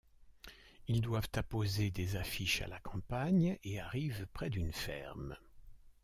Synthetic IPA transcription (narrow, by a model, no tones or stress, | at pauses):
ild̪wavt̪apozed̪ezafiʃa̰lakɑ̃paɲeaʁivpχɛd̪ynfɛ̰ʁm